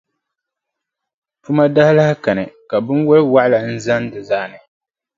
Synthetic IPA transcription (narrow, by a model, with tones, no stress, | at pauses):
tu˦ma˦da˦hla˦hka˨nɨ˨ka˨bɨ˦nwɛ˦lwa˦ʔla˨n̩˦za˦n˦dɨ˨za˦ʔnɨ˨